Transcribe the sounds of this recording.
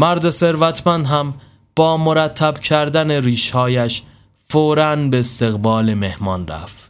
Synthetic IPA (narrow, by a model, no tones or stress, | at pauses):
mæɾd̪e̞se̞ɾvæt̪ʰmænd̪ɦæm | b̥ɒːmoɾæt̪ʰːæbcʰæɾd̪æneɾiːʃhɒːjæʃ | foːɾænbest̪e̞ɣbɒːle̞me̞hmɒːnɾæ̰ft̪